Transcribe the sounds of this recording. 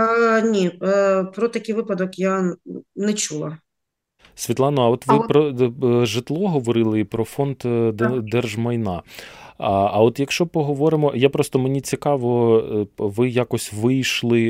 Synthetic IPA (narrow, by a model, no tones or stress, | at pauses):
nʲipɾɔt̪ɐkʲɪjʋɪpɐd̪ɔkjanɛt͡ʃulˠɐ | sʲʋʲit̪lˠɑnɔɐɔt̪ʋɪpɾɔʒɪt̪lˠɔɦɔʋɔɾɪlˠɪpɾɔfɔnd̪d̪ɛrʒmɐjnɑ | ɐɔt̪jɐkʃt͡ʃɔpɔɦɔʋɔɾɪmɔjapɾɔst̪ɔmenʲit͡sʲikɑʋɔ | ʋɪjakɔsʲʋɪjʃlˠɪ